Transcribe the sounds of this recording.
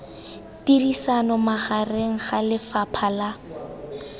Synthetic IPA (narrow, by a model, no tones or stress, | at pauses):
tirisanɔmaχareŋ̩χalɪfapʰala